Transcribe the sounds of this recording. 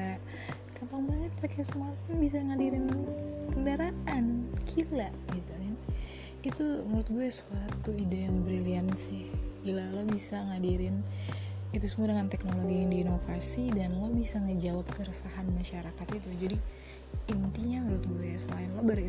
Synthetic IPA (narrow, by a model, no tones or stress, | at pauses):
a | kampaŋbaɲət̪̚pakesəmat̪anbis̬aŋadiɾɪnt̪əndaɾaʔankʰilaʔɡit̪ukan | it̪umuɾʊt̪̚ɡuɛsuat̪uidaanbɾiliansɪhɡilalobisaŋadiɾɪn | it̪usəmuadəŋant̪ɛknoloɡijaŋdiːnofasidanlobisaŋəd͡ʒawap̚kəɾəsaɦanmaʃaɾakat̪it̪ud͡ʒadi | int̪iɲamuɾʊt̪̚ɡuɛjasolanlobər